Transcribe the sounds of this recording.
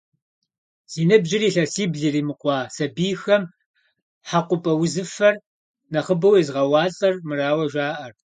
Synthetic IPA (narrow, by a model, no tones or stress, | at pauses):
z̥iːnɨbʑɪriːɬɐsiːbɮiriːmɨqʷɑːsɐbiːxɐm | ħaqʷʊpʼɐwʊzɨfɐr | nɐχəbɐwizʁɐwɑːt͡sʼɐrmɨraːwɐʒʷaːʔɐr